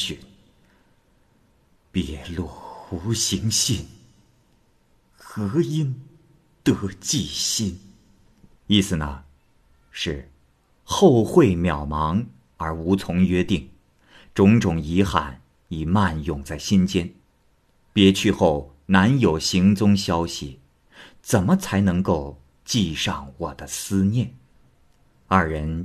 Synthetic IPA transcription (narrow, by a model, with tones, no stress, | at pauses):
ɕn | pjɛ˧˥˩lu˥˩xu˧˥ɕi˧˥ŋɕi˥˩n | xɤ˧˥i˥n | t̪ɤ˧˩t͡ɕi˥˩ɕi˥n | i˥˩sɹ̩˨˩nə̰˩ | ʂɻ̩˥˩ | xo˥˧ʊxwe˥˩ɪmjɑ˨˩ʊmɑ˧˥ŋ | ə˞˧˥u˧˥t͡sʰʊ˧˥ŋɥɛ˥t̪i˥˩ŋ | ʈ͡ʂʊ˧˥ŋʈ͡ʂʊ˨˩ŋi˧˥xa̰˨˩˦n | i˨˩ma˥˧njʊ˨˩ŋt͡sa˥˩ɪɕi˥nt͡ɕjɛ˥n | pjɛ˧˥t͡ɕʰy˥˧xo˥˩ʊ | na˧˥njo˨˩ʊɕi˧˥ŋt͡sʊ˥ŋɕjɑ˥ʊɕi˨˩ | t͡sə˨˩nmə˦t͡sʰa˧˥ɪnɤ˧˥ŋko˥˧ʊ | t͡ɕi˥˧ʂɑ˥˩ŋwɔ˨˩d̪̥ə˦sɹ̩˥njɛ˥˩n | ɐ˞˥˩ɻə˧˥n